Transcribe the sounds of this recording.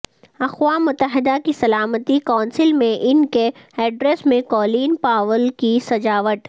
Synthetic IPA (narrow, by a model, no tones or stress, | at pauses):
ɐxʋaːmʊt̪ːəɦɪd̪akisɐlaːmət̪ikaːnsɪlmẽʔɪnkeɛːɖɾesmẽkɔːliːnpaːʋəlkisɐd͡ʒaːʋət̪